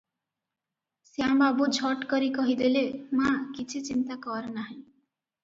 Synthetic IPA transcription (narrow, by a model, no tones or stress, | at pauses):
sjãmbabud͡zʰʱʌʈkʌɾikʌɦid̪elemãkit͡sʰit͡sint̪akʌɾnaɦĩ